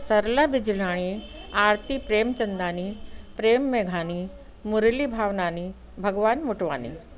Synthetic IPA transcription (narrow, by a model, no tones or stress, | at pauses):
sɐɾlabɪd͡ʑlaːɽ̃iaːɾt̪ipɾeːmt͡ɕɐ̃nd̪aːnipɾeːmːeːɡʱaːni | mʊɾlibʱaːʋnaːni | bʱɐɡʋaːnmʊʈʋaːnḭː